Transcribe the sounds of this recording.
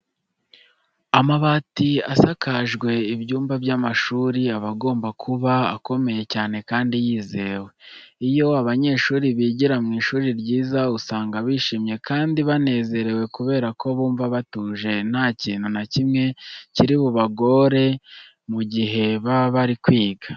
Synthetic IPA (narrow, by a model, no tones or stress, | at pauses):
amaβatiasakaʒɡwe̞ibjuːmbabjaːmaʃuːɾiaβaɡo̞ːmbakʰuβa̰ːko̞me̞je̞caːne̞kaːndijiːze̞we | ijo̞aβaɲe̞ːʃuːɾiβiːɟiɾamŋiːʃuːɾiɾɟiːzausaːŋɡaβiːʃiːmɲe̞kʰaːndiβane̞ːze̞ɾe̞we̞kuβe̞ːɾako̞βuːɱvaβatuːʒe̞n̥haciːnhunacimŋe̞ciɾiβuβaɡo̞ɾe̞ | muɟiɦe̞βaβaɾikwiːɡa